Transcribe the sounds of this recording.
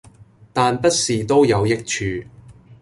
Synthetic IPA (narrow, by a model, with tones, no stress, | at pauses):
t̪aː˨npɐ˥t̚siː˨t̪o˥wjɐ˨˧wjɪ˥k̚t͡ʃʰyː˧